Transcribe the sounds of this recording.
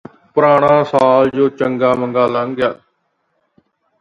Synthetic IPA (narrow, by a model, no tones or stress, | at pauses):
pɾaːɽaãːsaːld͡ʒoːt͡ʃəŋɡaːməŋɡaːləŋɡjaː